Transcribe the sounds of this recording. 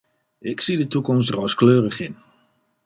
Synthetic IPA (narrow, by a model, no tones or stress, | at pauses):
ʔɪksidətukɔmstrɔwskløːrəχɪn